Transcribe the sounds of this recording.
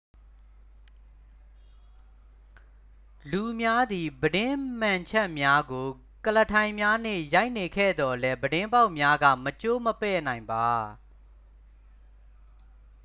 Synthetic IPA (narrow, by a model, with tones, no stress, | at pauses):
lu˨mja˦d̪i˨bəɾɪ̃˦mã˨ɲt͡ɕʰɛ˦ʔmja˦ɡo˨ | kələ˨tʰã˨ɪ̃mja˦n̥ɪ̰̃˦˨ja˦ɪʔne˨kʰɛ̰˦˨d̪ɔ˨lɛ˦bədɪ̃˦mba˦ʊʔmja˦ɡä̰˦˨mət͡ɕo˦məpɛ̰˦˨nã˨ɪ̃mba˨